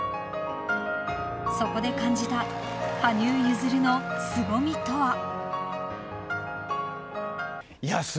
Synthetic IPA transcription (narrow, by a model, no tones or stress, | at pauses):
so̞ko̞d̪e̞kãɲ̟d͡ʑit̪a | haɲʲɨːjɯzɨɾɯ̟no̞sɨbo̞mʲit̪o̞βa | jas